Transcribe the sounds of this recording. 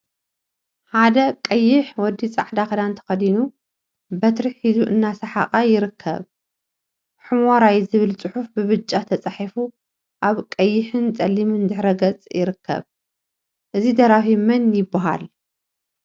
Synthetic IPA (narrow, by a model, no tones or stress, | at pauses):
ħad̪ɐkʼɐjːɪħwɔd̪ːit͡sʼaʕd̪akɐd̪ant̪ʰɐ̥xɐd̪inu | bɐt̪ɾɨħħizuʔɨnːasɐħa̰χʼajɪɾɨkʰːɐ̰β | ħɨmoɾajzɨβɨlt͡sʼɨħufbɨβɨt͡ʃʼːat̪ʰɐt͡sʼaħifu | ʔaβkʼɐjːɪħɨnt͡sʼɐlimɨnd̪ɨħɾɐɡɐt͡sʼjɪɾɨkʰːɐ̰β | ʔɨzid̪ɐɾafimɐnjɪbːaɦa̰l